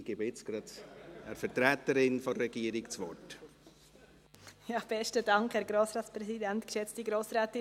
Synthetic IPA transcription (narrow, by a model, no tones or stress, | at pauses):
ɡ̥ebɪt͡sɡ̥ɾɑdɛɾfɛɾtɾɛːt̪əɾɪnfoɾɛɡ̥iːəɾikt͡sʋɔ̰t | jɑːb̥ɛʃtədɑŋkhɛːɾɡɾoːsɾɑːt͡spɾɛsidɛntkʃɛt͡stiɡɾoːsɾɛːtɪ